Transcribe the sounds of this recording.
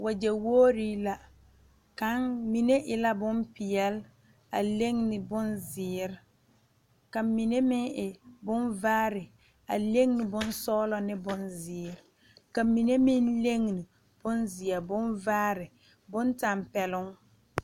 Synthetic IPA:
wʔa˨d͡ʒɛ˨woː˦ɾi˦la˦ | ka˨ŋmi˨ne˦ʔɪ˨la˦bʊ˦mpɪ˨jɛ˦l | a̰˨le˦ŋnɪ˨bʊ˦nzɪː˨˦ɾɪ˨ | ka˨mi˨ne˦mɪ˦ŋɪ˨bʊ˦nvaː˦ɾɪ˨ | a̰˨le˦ŋnɪ˨bʊ˦n˦sɔː˦lɔ˨nɪ˦bʊ˦nzɪː˨˦˨ɾɪ˨ | ka˨mi˨ne˦mɪ˦nle˦ŋ˨ni˨ | b̥ʊ˦nzɪ˨ɛ˨bʊ˦nvaː˦ɾɪ˨ | bʊ˦nta˨mpɛ˨lʊ˦ŋ

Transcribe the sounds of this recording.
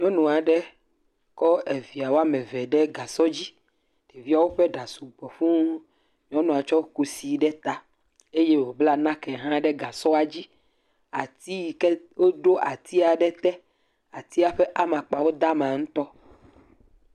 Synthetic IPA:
ɲɔ̃˦nũ˨a˨ɖɛ˦ | kɔ˦e˨vi˨a˨wo˦a˦mɛ̃˨vɛ˨ɖɛ˦ɡa˨sɔ˦d͡ʑi˦ | ɖ̪e˨vi˦a˨wo˦ɸɛ˦ɖa˨su˨ɡ͡bɔ˨ɸũ˦ | ɲɔ̃˦nũ˨a˨t͡ʃɔ˦ku˨si˨ɖɛ˦t̪a˨ | e˦je˦wo˨bla˦nã˦kɛ˨ɦã˦ɖɛ˦ɡa˨sɔ˦a˨d͡ʑi˦ | a˨t̪i˦kɛ˦wo˦ɖo˦ʔa˨t̪ʰi˦a˨ɖɛ˦t̪ɛ˦ | a˨t̪i˦a˦ɸɛ˦ʔa˦mã˨k͡pa˨wo˦d̪a˦mã˨ŋũ˦t̪ɔ˦

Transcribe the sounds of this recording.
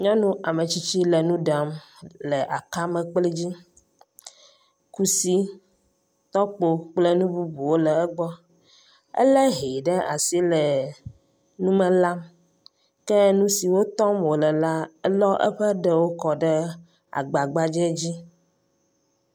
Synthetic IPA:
ɲɔ̃˦nũ˦a˨mə˨t͡ɕi˦t͡ɕi˦lə˨nũ˦ɖa˨m | lɛ˨ʔa˨ka˦mɛ̃˨k͡plɛ˦d͡ʑi˦ | ku˦si˦ | t̪ɔ˦k͡po˦k͡plɛ˦nũ˦bu˦bu˨wo˦lə˨ɛ˦ɡ͡bɔ˦ | ə̰˦lɛ˦ɦe˨ɖə˦ʔa̰˨si˦lə˨ | nũ˦mɛ˨la˦m | kɛ˦nũ˦si˨wo˦t̪ɔ˦mwo˨lə˨la˦ɛ˦lɔ˦ʔɛ̰˦ɸə˦ɖɛ˦wo˦kɔ˨ɖɛ˦ | a̰˨ɡ͡ba˨ɡ͡ba˦d͡ʒɛ˦d͡ʑi˦

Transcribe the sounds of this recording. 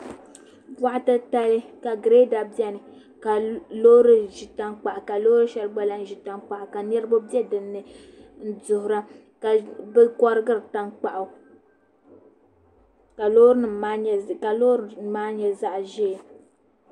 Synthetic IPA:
ba˦ʔa˦tɨ˦ta˦lɨ˦ka˨ɡɾe˦da˨bɛ˦nɨ˨ | ka˨lo˦ɾɨ˦ʒi˨ta˦ŋk͡pa˨ʔa˨ka˨lo˦ɾɨ˦ʃɛ˦lɡ͡ba˦la˦n˦ʒi˨ta˨ŋk͡pa˨ʔa˨ka˨nɛ˦ɾɨ˦bo˦bjɛ˦dɨ˨nːɨ˨n̩˦dʊ˨hʊ˨ɾa˦ | ka˨bɛ˦kɔ˦ɾɨ˦ɡɨ˦ɾɨ˨ta˦ŋk͡pa˨ʔa˨ | ka˨lo˦ɾɨ˦nɨ˨a˦ɲ˨ka˨lo˦ɾmaː˦ɲɛ˨za˦ʔʒe˦˨

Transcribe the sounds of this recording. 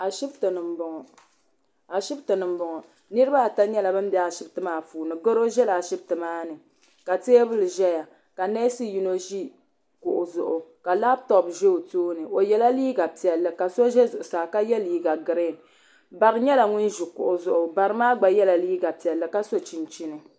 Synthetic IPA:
a˨ʃi˦btɨ˨nɨ˨m̩˦bʊ˨ŋɔ˨ | a˨ʃi˦btɨ˨nɨ˨m˦bʊ˨ŋɔ˨ | nɨ˦ɾɨ˦ba˦˨ta˦ɲɛ˦la˨bɨ˦m˦bɛ˦a˨ʃi˦btɨ˦maː˦fuː˨nɨ˨ɡo˦ɾo˦ʒɛ˦la˨ʃi˦btɨ˨maː˦nɨ˨ | ka˨teː˦bɨ˦lɨ˨ʒɛ˦ja˨ | ka˨nɛ˦si˦ji˨no˦ʒi˦ | kʊ˨ʔʊ˨zʊ˨ʔʊ˨ka˨laː˦b̚tɔ˨bʒe˦o˨toː˦nɨ˨ʔo˨jɛ˦la˦liː˦ɡa˨pi˨ɛ˨lːɨ˨ka˨so˦ʒɛ˦zʊ˨ʔʊ˨saː˨ka˦jɛ˦liː˦ɡa˨ɡɨ˨ɾe˦˨n | ba˨ɾɨ˦ɲɛ˦la˨ŋʊ˦n˦ʒu˨kʊ̰˨ʔʊ˨zʊ˨ʔʊ˨ba˨ɾɨ˦maː˦ɡ͡ba˨jɛ˦la˨liː˦ɡa˨pi˨ɛ˨lːɨ˨ka˦so˦t͡ʃi˨n˨t͡ʃi˦nɨ˨

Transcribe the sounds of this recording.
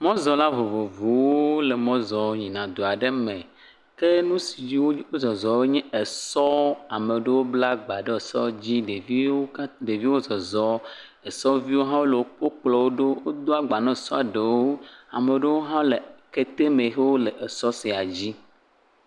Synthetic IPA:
mɔ̃˦zɔ˨la˦vo˨vo˨vo˨wwo˦le˨mɔ̃˦zɔ˨ɲĩ˨nã˨d̪o˨a˨ɖe˦mẽ˨ | ke˦nũ˦si˨d͡ʒi˦wo˦wo˦zɔ˨zɔ˨we˦ɲɛ̃˦e˨sɔ˦a˨mẽ˨ɖe˦wo˦bla˦ɡ͡ba˨ɖe˦e˨sɔ˦d͡ʑi˦ɖe˨vi˦wo˦ɖe˨vi˦wo˦zɔ˨zɔ˦ | e˨sɔ˦vi˦wo˦ɦã˦wo˦le˨wo˦k͡po˦k͡plɔ˦wo˦ɖo˦wo˦d̪o˦a˨ɡ͡ba˨nɛ̃˦˨sɔ˦a˨ɖe˨wo˦a˨mẽ˨ɖe˦wo˦ɦã˦le˨ke˦t̪e˦mẽ˨xe˦wo˦le˨ʔe˨sɔ˦si˨a˨d͡ʑi˦

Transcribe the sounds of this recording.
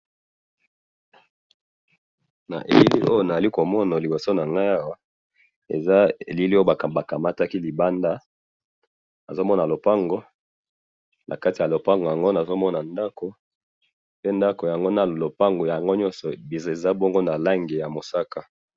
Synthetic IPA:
na̰˨ʔḛ˨li˦li˦ʔo˦jo˦na˨za˨li˦ko˨mɔ˦na˨li˨bo˨so˦na˨ŋɡa˦ja˦wa˦ | ḛ˨za˦ḛ˨li˦li˦˨a˨ba˨ka˨ma˦ta˦ki˦li˨ba˦nda˦ | na˨zo˦mɔ˦na˨lo˨pa˦ŋɡo˦ | nʔa̰˨ka˦ti˨a˨lo˨pa˦ŋɡo˨ja˨ŋɡo˦na˨zo˦mɔ˦na˨nda˦ko˨ | pe˦nda˦ko˨ja˨ŋɡo˦na˨lo˨pa˦ŋɡo˨ja˨a˨ŋɡo˦ɲɔ˦nsɔ˨bi˨ze˨za˦bo˦ŋɡo˦na˨la˦ŋɡe˨ja˨mo˨sa˦ka˦

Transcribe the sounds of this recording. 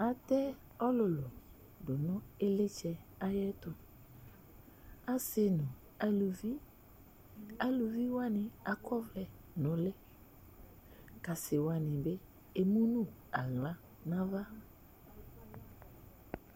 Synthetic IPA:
a˨tɛ˦ | ɔ˦lʊ˨lʊ˨ | dʊ˨nʊ̃˦e˦lɪ˦t͡ʃɛ˨a˦jɛ˦tʊ˨ | a˦se˦nʊ̃˨ | a˨lu˨vi˦ | a˦lu˨vi˦wa˦nɪ̃˨a˨kʰɔ˦vlɛ˨ | nʊ̃˨lɛ˦ | ka˨sɪ˨wa˨nɪ̃˨bɪ˦ | e˨mũ˦nũ˦ | a˨ɣla˦ | nã˦va˦

